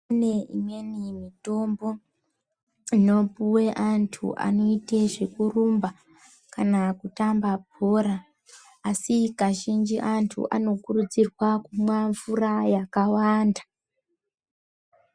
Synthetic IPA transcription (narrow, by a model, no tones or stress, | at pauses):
aneḭmwe̞nimito̞mbo̞ | ino̞puwe̞ʔantʰṵʔa̰no̞ite̞ʐe̞kurumba | kanakutambap̚oːɾaː | sikaʒind͡ʒiʔantʰṵʔa̰no̞kurud͡zirwakumwaɱvurajakawaːnda